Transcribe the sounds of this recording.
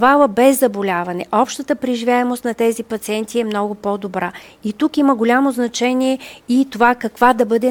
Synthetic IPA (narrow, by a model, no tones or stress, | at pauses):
valˠəbɛzːɐbolʲavɐnɛʔɔpʃt̪ət̪əpɾiʒivʲjaɛmost̪nɐt̪ɛzipɐt̪siɛnt̪iɛmnɔɡʊpɔd̪obɾa | it̪ukiməɡolʲamoznɐt͡ʃɛniɛit̪ovakɐkvad̪ɐbɤd̪ɛ